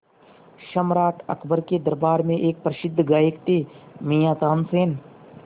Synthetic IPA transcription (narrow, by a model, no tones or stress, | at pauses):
ʃəmɾaːʈ̪ɐ̰kʰbəɾked̪ɐɾbaːɾmẽʔeːk̚pɾəʃɪd̪ʱːɡaːjɪkt̪imiːjaːt̪aːnseːn